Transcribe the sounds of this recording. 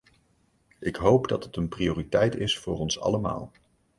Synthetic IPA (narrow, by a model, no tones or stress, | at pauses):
ʔɪkɦowpdɑtətənprioːritɛjtɪsfʊːrɔnsɑ̰ləma̰ːlˠ